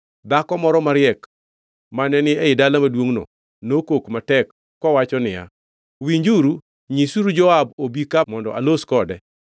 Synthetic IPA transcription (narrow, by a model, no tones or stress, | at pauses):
dakɔmɔɾɔmaɾɪɛk | manɛnɪɛɪdalamadwoŋno̰ | nokokmatɛkː | ɔwat͡ʃɔnɪja̰ | wiɲd͡ʒuɾu | ɲisuɾud͡ʒɔabobikamɔndɔ̰ʔa̰loskɔdɛ